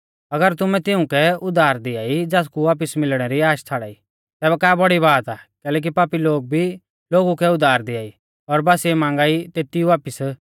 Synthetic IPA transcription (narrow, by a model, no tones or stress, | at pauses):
ɐɡəɾt̪ʊmɛ̃t̪ɪʊ̃kɛʊd̪aːɾd̪ɪaːid͡zaːskuʋaːp̬ɪsmɪlɽ̃ɛɾiaːʃt͡sʰaːɽa̰ːi | t̪ɛːbɛkaːbɐɽiβaːt̪aːkɛːlɛːk̬ipaːpiloːɡ̚bʱi | loːɡukɛʊd̪aːɾd̪ɪaːi | ɔɾbaːsiɛmãːŋ̆ɡaːit̪eːt̪iuʋaːpɪs